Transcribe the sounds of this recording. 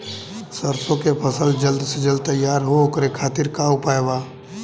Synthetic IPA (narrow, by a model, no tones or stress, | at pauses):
səɾsõkepʰəsəld͡ʒəld̪sed͡ʒəld̪̚t̪əjːaːɾɦookəɾekʰaːt̪ɪɾkaːʊpaːebaː